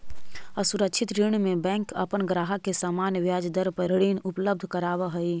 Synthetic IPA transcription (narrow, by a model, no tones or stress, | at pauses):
əsʊɾəkʃʰɪt̪ɾiɳmẽbɛ̃ːŋkɐpənɡɾaːɦakesaːmaːnʋjaːd͡ʒd̪əɾpəɾəɽiːnʊpləb̚d̪ʱkəɾaːʋaɦɐi